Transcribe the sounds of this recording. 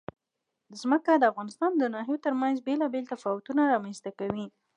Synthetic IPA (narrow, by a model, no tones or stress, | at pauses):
d̪əzməkad̪əafɣɑnɪst̪ɑnd̪ənɑɦijot̪əɾmanzbelɑbelt̪afɑwʊt̪unaɾɑmanst̪akawi